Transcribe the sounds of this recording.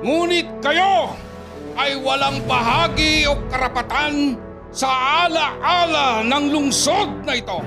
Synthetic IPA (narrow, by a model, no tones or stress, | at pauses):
ŋuːnɪt̪̚kɐjo | ʔɐjwɐlaŋbɐɦaːɡiokːɐɾɐpɐt̪an | sɐʔaːlɐʔaːlɐnɐŋlʊŋsod̪̚nɐɪt̪o̞